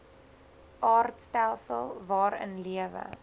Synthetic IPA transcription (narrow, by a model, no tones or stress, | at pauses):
ʔɑːrtstælˠsəlˠvɑːɾə̰nliəvə̰